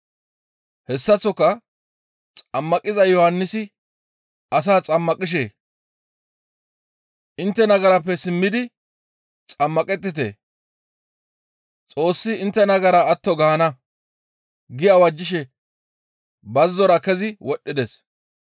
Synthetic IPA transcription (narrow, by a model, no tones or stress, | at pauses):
hɛsːɐt͡sːɔkːɐ | t͡sʼɐmːɐkʼɪzɐjɔhɐnːɪsɪ | ɐs̬aːt͡sʼɐmːɐkʼɪʃ̬ḛː | ʔɪnt̪ːɛnɐɡɐɾɐpːɛsɪmːɪd̪ɪ | t͡sʼɐmːɐkʼɛt̪̬ːɪt̪̬ḛː | t͡sʼo̞ːsːɪɪnt̪ːɛnɐɡɐɾɐːt̪ːɔɡɐhɐnɐ | ɡɪjɐwɐd͡ʒːɪʃɛ | bɐzːɔɾɐkɛzɪwɔɗːɪd̪ɛs